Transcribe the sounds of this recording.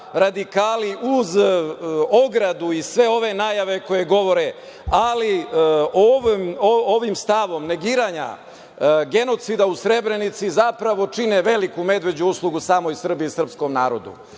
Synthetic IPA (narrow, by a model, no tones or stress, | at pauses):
ɾad̪ikaːliʔuz | oɡɾad̪uisʋe̞o̞ʋe̞naːjaʋe̞ko̞je̞ɡo̞ʋo̞ɾe̞ | alioʋmoʋimst̪aʋo̞mne̞ɡiːɾaːɲa̰ | ɡe̞no̞t̪sid̪ausɾe̞bɾe̞nit̪sizapɾaʋo̞t͡ʂineʋe̞likume̞d̪ʋe̞d͡ʑuuslˠuɡusaːmo̞isr̩biisr̩psko̞mnaːɾo̞d̪ṵ